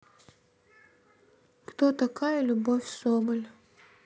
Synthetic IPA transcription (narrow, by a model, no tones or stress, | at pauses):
kt̪ot̪ɐkajəlʲʊbofʲsobəlʲ